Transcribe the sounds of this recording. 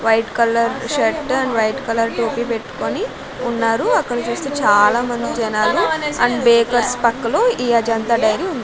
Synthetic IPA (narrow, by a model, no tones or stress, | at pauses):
ʋɐjʈkɐlɐɾʃɐʈɐnʋɐjʈkɐlɐɾʈoːpiːpe̞ʈːu̥ko̞ni | unːaːɾuɐkːɐɽɐt͡ʃuːst̪eːt͡ʃaːlaːmɐnd̪id͡ʒɐnaːluɐɳnbeːkɐɾspɐkːɐlo̞ːiːɐd͡ʒɐnt̪ɐɖɐjɾiund̪i